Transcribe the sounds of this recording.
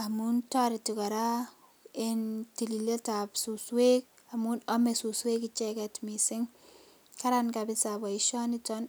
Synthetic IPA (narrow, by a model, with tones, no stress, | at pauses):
a˨mu˦ntɔ˦ɾɪ˨ti˨ka˨ɾa˦ | e˦ntilile˦ta˨psuswe˦k̚ | amu˦nɔ˦me˨su˨swe˦kɪt͡ʃɛkɛtmi˨sɪŋ | ka˦ɾankabɪ˦sabɔ˨ɪʃɔ˦nɪtɔn